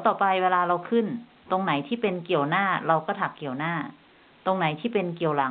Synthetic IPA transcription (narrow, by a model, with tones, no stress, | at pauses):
t̪ɔː˨˩pa˧jweː˧laː˧ɾa˧wkʰɯ˥˩n | t̪o˧ŋna˩˦jt̪ʰiː˥˩pe˧nki˨˩əwnaː˥˩ɾa˧wkɔː˥˩t̪ʰa˨˩kːi˨˩əwnaː˥˩ | t̪o˧ŋna˩˦jt̪ʰiː˥˩pe˧nki˨˩əwla˩˦